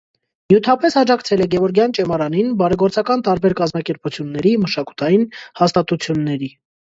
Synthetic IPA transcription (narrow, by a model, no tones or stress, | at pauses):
mjut̪ʰɑpɛsɑd͡ʒɑkt͡sʰɛlɛɡɛvɔɾɡjɑnt͡ʃɛmɑɾɑninbɑɾɛɡɔɾt͡sɑkɑnt̪ɑɾbɛɾkɑzmɑkɛɾput͡sʰjunːɛɾiməʃɑku̥t̪ʰɑjinhɑst̪ɑt̪ut͡sʰjunːɛɾi